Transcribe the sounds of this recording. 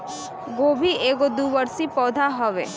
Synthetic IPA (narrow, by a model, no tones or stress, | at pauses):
ɡoːbʱieːɡod̪uːʋəɾsipɔːd̪ʱaɦəʋḛː